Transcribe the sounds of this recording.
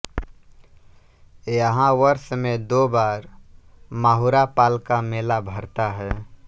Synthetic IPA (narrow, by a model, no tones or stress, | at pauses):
jəɦãʋəɾsəmẽd̪oːbaːɾ | maːɦuɾapaːlkameːlabʱəɾt̪aɦɛ